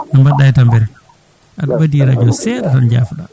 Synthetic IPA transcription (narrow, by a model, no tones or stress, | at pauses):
nambadːajtambɛɾ | ʔadbadiɾad͡ʒɔsɛɾatand͡ʒa̰ːfɗa